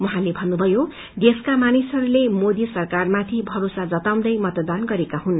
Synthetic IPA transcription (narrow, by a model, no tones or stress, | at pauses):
wʌɦãlebʱʌnːubʱʌjo | d̪eskamanisʌɾulemod̪isʌrkarmat̪ʰibʱʌɾosad͡zʌt̪aw̃nd̪ʌjmʌt̪d̪anɡʌɾekaɦun